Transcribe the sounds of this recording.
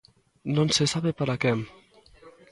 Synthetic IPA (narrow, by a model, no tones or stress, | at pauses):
nõnsesaβepaɾakɛm